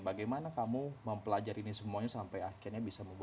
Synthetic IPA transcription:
baɡajmanakamuməmpəlad͡ʒaɾinisəmuaɲasampajakianɲabisaməmbu

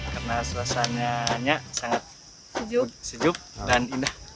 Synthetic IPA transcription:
karnasuasaɲaɲasaŋat̪̚ | sd͡ʒusəd͡ʒʊp̚danindah

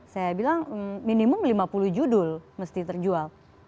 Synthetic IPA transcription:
sajabilaŋəmːinimʊmlimapulʊhd͡ʒudʊlməst̪it̪ərd͡ʒual

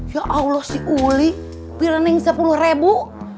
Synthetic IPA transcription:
jaʔaulɔsiuli | piɾanɛiŋsapuluhrebu

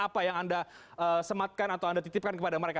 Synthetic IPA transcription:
apajaŋandaəsəmat̪̚kanat̪awandat̪it̪ɪp̚kankəpadaməɾeka

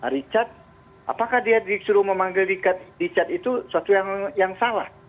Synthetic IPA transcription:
ɾit͡ʃat̪̚ | a̰pakahdiadisuɾuməmaŋɡɪldikat̪̚dit͡ʃat̪it̪usuat̪ujaŋjaŋsalah

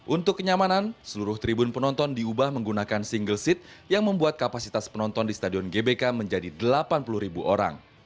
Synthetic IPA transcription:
ʔunt̪ʊkːəɲamanansəluɾʊht̪ɾibʊnpənɔnt̪ɔndiubahməŋɡunakansiŋɡəlsit̪̚jaŋməmbuat̪̚kapasit̪aspənɔnt̪ɔndist̪adiɔnɡebekaməɲd͡ʒadidəlapanpulʊhɾibuʔoɾa̰ŋ

